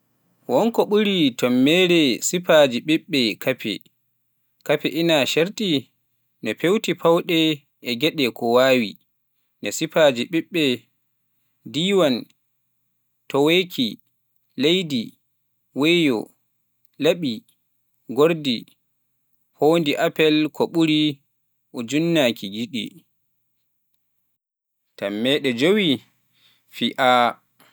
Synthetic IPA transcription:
wɔnkɔɓuɾitɔmːɛːɾɛsipad͡ʒiɓiɓːɛkʰapɛ̰ | kapɛʔinaʃeɾtʼi | nɛpewtipawɗɛ | ɛɡɛɗɛkʰɔwaːwḭ | nɛsipad͡ʒiɓiɓːɛ | diːwan | tɔwekʰi | lejdi | wejɔ̰ | laɓi | ɡoɾdi | hoːndiʔapɛlkʰɔɓuɾi | ʔɔd͡ʒunːakʰiɡiɗḭ | tamːɛːɗɛd͡ʒowi | fiʔa

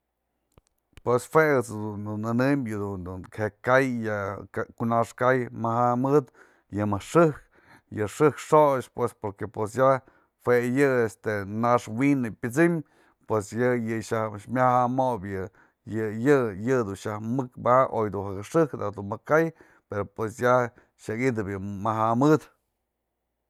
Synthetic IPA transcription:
pweshweɨt͡sd̪und̪unɨnɨmjɨd̪und̪unhekajjaakunaʂkajmahamɨd̪ | jɨmɨʂɨhk | jɨʂɨkʂot͡ʃpwespoɾkepwesja | hwejɨest̪enaʂwinɨpʲɨt͡sim | pwesjɨjɨʃamʲahamobjɨ | jɨjɨjɨd̪unʃahmɨkbaʔojd̪unhakɨʂɨkd̪ad̪unmakaj | peɾopwesja | ʃakid̪ɨbjɨmaɦamɨd̪

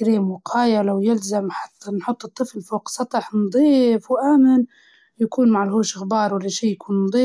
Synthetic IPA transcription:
kɾiːmwɪqʰɑːjalawjɪlzamħɑ̥t̪ːnħʊt̪ˤːɨt̪ˤːɨflfoːqsˤɑt̪ˤɑħnd̪ˤiːfwʔaːmɪn | jakuːnmaʕɪlhoːʃɪxbɑːɾˤwalːaʃiːjkuːnnd̪ˤiː

